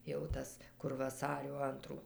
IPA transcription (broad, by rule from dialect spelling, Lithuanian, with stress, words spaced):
jɛʊ ˈtɐs kʊr ʋɐˈsɑːrʲoː ˈɐntruː